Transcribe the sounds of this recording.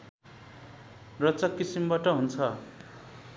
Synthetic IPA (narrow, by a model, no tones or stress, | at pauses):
rʌt͡sʌkːisimbaʈʌɦunt͡sʰʌ